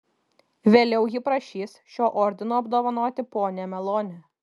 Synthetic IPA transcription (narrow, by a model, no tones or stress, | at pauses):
ʋʲeːlʲɛʊjɪpɾɐʃʲiːsʃʲoːʔɔɾʲd̪ʲɪnoːɐbd̪oːʋɐnoːt̪ʲɪpoːnʲɛmʲɛlˠoːnʲɛ